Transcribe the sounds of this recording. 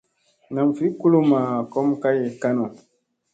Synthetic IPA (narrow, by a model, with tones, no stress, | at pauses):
na˨m˨fi˦ku˦lo˦ma˨kɔ˦m˦ka˦jɛ˨ka˦nɔ˨